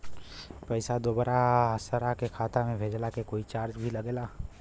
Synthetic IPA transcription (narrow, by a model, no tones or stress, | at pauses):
pɛɪsad̪oːbəɾaəsəɾakekʰaːt̪amẽbʱeːd͡ʒlakekoːit͡ʃaːɾd͡ʒbʱilɐɡeːlaː